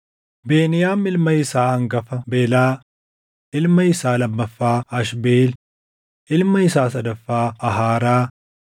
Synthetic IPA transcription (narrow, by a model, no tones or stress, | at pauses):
be̞ːnɪjaːmɪlmɐɪsaːhɐŋɡɐfɐbeːlaː | ʔɪlmɐɪsaːlɐbːɐfːaːɐʃbeːl | ʔɪlmɐɪsaːsɐd̪ɐfːaːɐɦaːɾaː